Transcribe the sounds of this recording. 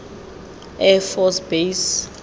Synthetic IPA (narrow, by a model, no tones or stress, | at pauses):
ɛfɔsbejs